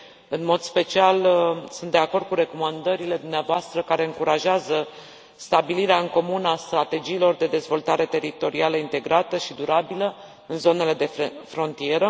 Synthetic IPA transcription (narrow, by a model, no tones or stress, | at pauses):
ɨnmo̞d̪spe̞t͡ʃialsũnt̪̚d̪e̞ako̞rd̪̚kuɾe̞ko̞mand̪əɾile̞d̪umneavoast̪ɾəkaɾe̞ɨŋkuɾaʒeazə | st̪abiliɾeaɨŋko̞munast̪ɾat̪e̞d͡ʒiːlo̞rd̪e̞d̪e̞zvo̞lt̪aɾe̞t̪e̞ɾit̪o̞ɾialəint̪e̞ɡɾat̪əʃid̪uɾabilə | ɨnzo̞ne̞le̞d̪e̞ffɾo̞nt̪ie̞ɾə